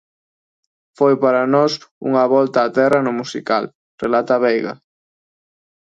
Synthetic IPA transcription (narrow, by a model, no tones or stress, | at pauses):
fojpaɾɐnɔsṵŋɐβɔlt̪aːt̪ɛrɐnʊmusikal | relat̪ɐβejɣɐ̰